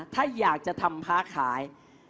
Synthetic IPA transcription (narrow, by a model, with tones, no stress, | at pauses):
t̪ʰaː˥˩jaː˨˩k̚t͡ɕa˨˩t̪ʰa˧mpʰaː˦˥kʰaː˩˦j